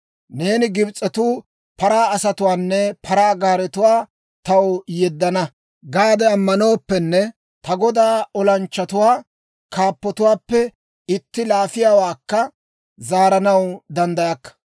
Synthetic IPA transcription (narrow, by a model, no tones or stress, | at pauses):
ne̞ːnɪɡɪbt͡sʼːɛt̪uː | pɐɾaːɐsɐt̪ʊwaːnːɛpʰɐɾaːɡaːɾɛt̪ʊwaː | t̪ɐwjɛd̪ːɐnɐ | ɡaːd̪ɛɐmːɐno̞ːpːɛnːɛ | t̪ɐɡɔd̪aːɔlɐnt͡ʃːɐt̪ʊwaː | kaːpːɔt̪ʊwaːpːɛ | ɪt̪ːɪlaːfɪjaːwaːkːɐ | zaːɾɐnɐwd̪ɐnd̪ɐjɐkːɐ̥